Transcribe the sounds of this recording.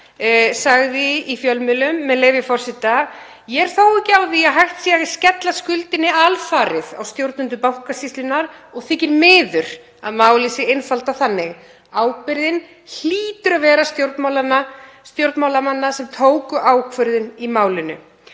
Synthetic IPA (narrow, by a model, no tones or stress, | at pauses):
saɣðɪifjœlmɪlʏmːɛðleːjvɪfɔr̥sɪt̪a | jɛɾ̥θoːwɪhcɪawðiaɦajht̪sjɛɣḁscɛt̪laskʏlt̪ɪnːɪalfaːɾɪða̰wst̪jowɾt̪nʏnt̪̬ʏpawhkasist̪lɪnːaɾɔɣθɪːcɪɾmɪːðʏɾ̥ | a̰ðmaːwlisɪɪnfalt̪aθanːɪɣ | aːwpɪɾðɪn | l̥iːt̪ʏɾavɛːɾast̪jowɾt̪mawlanast̪jowɾt̪mawlamanːasɛmt̪ʰoːwkʏʔaːwkʰvœɾðɪnimaːwlɪnːʏ̰